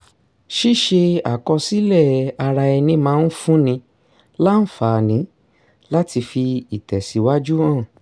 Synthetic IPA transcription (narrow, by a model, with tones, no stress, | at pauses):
ʃi˦˨ʃe˧a˨kɔ˧si˦lɛ˦˨a˧ɾa˧ɛ˧nĩ˧mãː˨˦n̩˦fũ˦nĩ˧ | la˦n̩˦˨fa˨nĩ˨˦ | la˦ti˧fi˧i˨tɛ˨si˨˦wa˦d͡ʒu˦ãː˦˨